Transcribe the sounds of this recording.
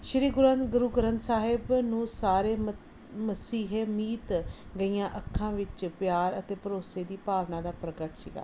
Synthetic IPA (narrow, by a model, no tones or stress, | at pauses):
ʃəɾiːɡʊɾãːnɡʊɾuːɡəɾənt̪saːɦɪbnũːsaːɾeː | məsiːɦemiːt̪ɡəijãːʔəkʰːãːʋɪt͡ʃpjaːɾət̪eːpəɾoːseːd̪iːpaːʋnãːd̪aːpɾəɡəʈsḭːɡa̰ː